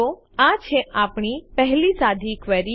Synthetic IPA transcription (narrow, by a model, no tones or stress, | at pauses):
o | ãt͡ʃʰeʔapɳ̃ipɛɦlisad̪ʱikʋɛɾi